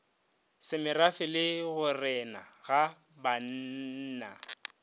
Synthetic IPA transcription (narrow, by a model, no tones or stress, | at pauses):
sɪmɪrafɪlɪɣʊrɛna̰ɣa | ban̩na̰